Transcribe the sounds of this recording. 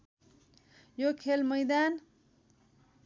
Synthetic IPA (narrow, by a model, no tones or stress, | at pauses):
jokʰelmʌjd̪an